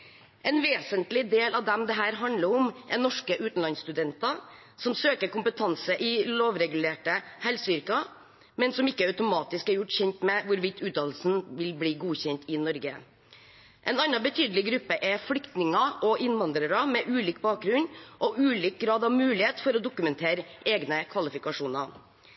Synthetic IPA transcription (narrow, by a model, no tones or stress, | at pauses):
ʔɛnʋeːsənt̪lɪd̪eːlɑʋd̪ɛmd̪ɛɦæːɾɦɑnd̪ləɾɔmɛnɔʂkəʔʉːt̪n̩lɑnst̪ʉd̪ɛnt̪ɑ | sɔmsøːkəɾkʊmpət̪ʰɑnsəʔɪloːʋɾɛɡʉleːʈəhælsʏɾkɑ | mɛnsɔmɪkːəœʉt̪ʊmɑːt̪ɪskæɾjʊʈːçɛnt̪mɛʋʊɾʋɪt̪ʰʉːt̪ɑːd̪l̩sn̩ʋɪlbliːɡuːçɛnt̪ɪnɔɾɡə | ʔɛnɑnːɑbət̪ʰyːd̪əlɪɡɾʉpːəʔɛflʏkt̪nɪŋɑʔɔʔɪnʋɑnd̪ɾəɾɑmɛʔʉːliːkbɑːk̚ɡɾʉnʔɔʔʉːliːk̚ɡɾɑːd̪ɑʋmʉːlɪheːt̪fɔɾɔd̪ʊkʉmɛnt̪ʰeːɾ | eːɡnəkʰʋɑlɪfɪkɑʂuːnɑ